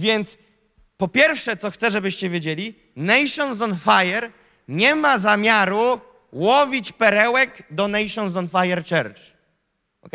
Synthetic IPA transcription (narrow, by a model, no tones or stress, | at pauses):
vʲjɛnt̪s | pɔpʲjɛɾfʂɛt̪sɔxt̪sɛʐɛbɘɕt͡ɕɛvʲjed͡ʑelʲi | nɛjʂɔnzɔnfajɛɾ | ɲɛmazamʲjaɾu | wɔvʲit͡ɕpɛɾɛwɛkd̪ɔnɛjʂɔnzɔnfajɛɾt͡ʂɛɾt͡ʂ